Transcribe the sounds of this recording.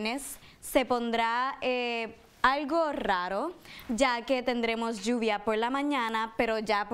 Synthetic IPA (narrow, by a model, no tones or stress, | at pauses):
nesː | epond̪ɾae | alɡoraɾod͡ʒaket̪end̪ɾemosd͡ʒuβjapoɾlamãɲãnapeɾod͡ʒap